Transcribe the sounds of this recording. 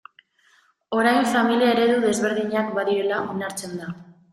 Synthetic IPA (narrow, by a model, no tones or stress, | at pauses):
o̞ɾajɱfamiliaeɾe̞ðuðe̞zβe̞ɾðiɲak̚baðiɾe̞laʔo̞naɾt͡se̞nd̪a